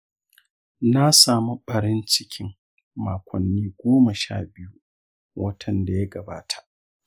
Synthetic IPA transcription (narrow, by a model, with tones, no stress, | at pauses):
na˦saː˨mu˦ɓɐ˨ɾɪ˦nt͡ʃɪ˦kʲʰɪ˦ŋ | maː˨kʷɔ˨nːiː˦ɡʷoː˦mɐ˨ʃa̰ː˦˨bɪ˦ju˦ | wʔɐ˦tʰɐ˨nda˨ja˦ɡɐ˨baː˦tʰḁ˨ʔ